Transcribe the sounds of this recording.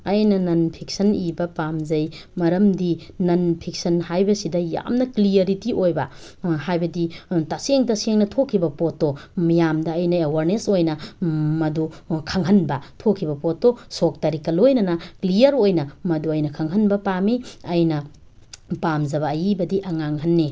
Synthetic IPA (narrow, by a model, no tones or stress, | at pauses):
ɐjnɐnɐnpʰik̚sɐnibɐpamzɐj | mɐɾɐmdi | nɐnpʰik̚sɐnhajbɐsidɐja̰mnɐklijɐɾitiʔojbɐ | ɦajbɐditaseŋtɐseŋnɐtʰokʰːibɐpotːomijamdɐːjnɐewaɾnesojnɐmɐdukʰɐŋɦɐnbɐtʰokʰːibɐpotːosok̚taɾikːɐlojnɐnɐklijɐɾojnɐmɐduɐjnɐkʰɐŋɦɐnbɐpamiɐjnɐ | pamzɐβɐːjibɐdiʔɐŋaŋɦɐnːi